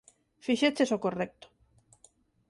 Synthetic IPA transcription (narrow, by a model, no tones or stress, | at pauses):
fiʃet͡ʃesokorek̚t̪o̥